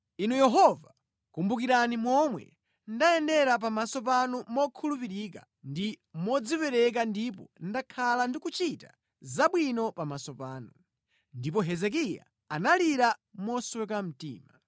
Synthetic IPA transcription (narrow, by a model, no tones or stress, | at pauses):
inujɛɦɔva | kumbukiɾanimwɔmwɛ̰ | ndajɛndɛɾap̬amasɔpanumɔkʰulupiɾika | ndimɔd͡zipɛɾɛk̬andipɔ̰ndakʰalandikut͡ʃita̰ | zaɓwinɔpamasɔpaːnu | ndip̬ɔɦɛzɛk̬ija̰ | analiɾamɔswɛkam̩tḭːma